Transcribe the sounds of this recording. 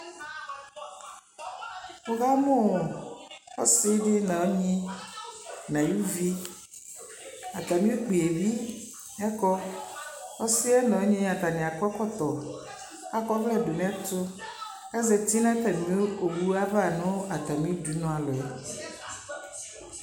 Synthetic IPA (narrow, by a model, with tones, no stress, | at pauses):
o˦ɣa˦mõ˦˨ɔ˦si˦ɖɪ˦nã˨wo˦ɲĩ˦ | nã˨ju˦vi˦ | a˨t̪a˨mĩ˦o˦k͡pe˨e˨vi˦ | ɛ˦kɔ˦ | ɔ˦si˦ɛ˦nã˨o˦ɲĩ˦a˨t̪a˨nĩ˨a˨kɔ˦kɔ˦t̪ɔ˨ | a˦kɔ˦vlɛ˦˨do˨mĩ˦a˦to˦ | a˦zɛ˨t̪i˦nã˦t̪a˨mĩ˨˦o˦o˨wu˦a˦va˦˨nõ˦a˨t̪a˨mĩ˦o˦du˨˦nɔ̃˦a˨lɔ˨˦